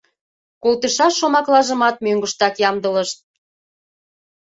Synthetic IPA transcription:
kolt̪əʃɑʃːomɑklɑʒə̆mɑt̪̚møŋɡəʃt̪ɑkjɑmd̪ələʃt̪̚

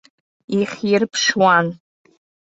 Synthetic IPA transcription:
iχʲirpʰʂwan

